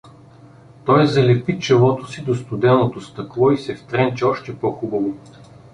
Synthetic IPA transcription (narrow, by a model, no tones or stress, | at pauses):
t̪ɔjzɐlɛpit͡ʃɛlˠɔt̪osid̪ost̪ʊd̪ɛnot̪ost̪ɐklˠɔisɛft̪ɾɛnt͡ʃɛɔʃt̪ɛpɔxubɐvo